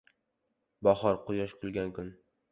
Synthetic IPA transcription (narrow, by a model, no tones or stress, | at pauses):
bɒχɒɾqʊjɒʃkʰʊlɡʲankʰʊn